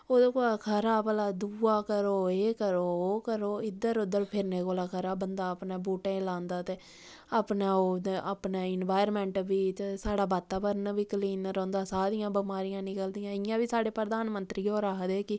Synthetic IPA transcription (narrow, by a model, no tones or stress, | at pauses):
oːd̪oːkolakʰəɾaːpəlaːd̪uːaːkəɾoːeːkəɾoːkəɾoːɪd̪əɾʊd̪əɾpʰɪɾneːkoːlaːkʰəɾaːbənd̪aːəpnẽːbuːʈẽːlãːnd̪aːt̪eː | aːpnaːoːaːpneːɪnʋaːjəɾmɛ̃ːɳʈbiːt̪esaːɽaːbaːt̪ːaːbəɾnbiːkəliːnɾɔ̃ːnd̪aːsaːd̪ɪjãːbəmaːɾɪjãːnɪkəld̪ijãːɪjãːbiːsaːɽeːpɾəd̪aːnmənt̪ɾiːoːɾaɦd̪eːkɪ